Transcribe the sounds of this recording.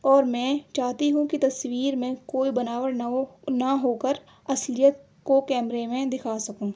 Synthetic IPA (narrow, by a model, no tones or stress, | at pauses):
ɔːɾmɛ̃ːt͡ʃaːt̪iɦũkit̪ɐswiːɾmẽkoːibɐnaːwəɽnnɐɦoːkəɾ | ɐslijət̪̚ | kokɛːmɾemẽd̪ɪkʰaːsɐkũː